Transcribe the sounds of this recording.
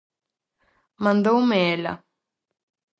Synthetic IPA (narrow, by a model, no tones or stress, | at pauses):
mãnd̪owmɛla̰